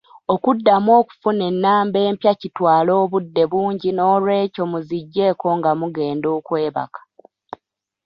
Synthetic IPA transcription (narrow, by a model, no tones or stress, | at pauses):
okudːamwo̞ːku̥fune̞nːaːmbe̞ːmpjacitwaːlo̞ːβudːe̞βuːɲɟino̞ːlwe̞ːco̞muziɟːe̞ːko̞ŋɡamuɡe̞ːndo̞ːkwe̞ːβa̰kḁ